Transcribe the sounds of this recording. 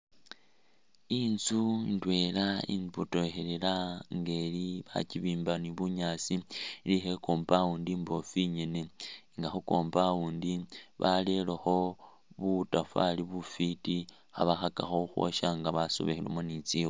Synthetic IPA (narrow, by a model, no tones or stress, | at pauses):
insuintwe̞laḭnbuto̞xelelaŋɡe̞liβa̰ciβiːmbaniβuɲaːt͡silixekoːmbawuːndiːmbo̞fiɲe̞ne̞ŋɡaxuko̞ːmbawuːndiβale̞loxo̞ | βutafa̰liβufiti | xaβaxakaxo̞xwo̰ʃaŋɡaβaso̰βexilo̰monit͡siwo